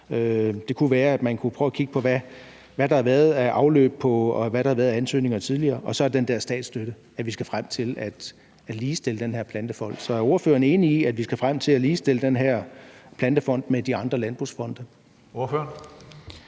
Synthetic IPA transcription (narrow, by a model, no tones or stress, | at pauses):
ød̥e̝kʰuʋæːɐæd̥mænkʰupʰʁœʊækʰiɡ̥əpʰɒ̽ʋæ | ʋæɾ̥ɑ̈hɑʋæɐð̩ˠæʔɑ̈ʊlø̰ːb̥̚pʰɒ̽ɒʋæɾɑ̈hɑʋæːɐðˠænsø̰ːne̝ŋɐt͡sʰið̞ˠliɐːʔɒ̽sɒ̽æɐd̥end̥æɐsd̥ɛ̰ːd̥sd̥øɾ̥ə | æʋisɡ̥æfʁam̰t͡sʰe̝læd̥ | æ̥liːsd̥e̝ləd̥enhæɐpʰlænd̥əfɒ̽n̰d̥sɒ̽æɐo̝ɐføːɐne̝ːniiæd̥ʋisɡ̥æfʁam̰t͡sʰe̝læliːsd̥e̝ləd̥enɦæɐ̰pʰlænd̥əfɒ̽n̰d̥med̥iɑ̈nd̥ʁɐlænb̥ʁṵsfɒ̽n̰d̥ɐ | o̝ɐføɐn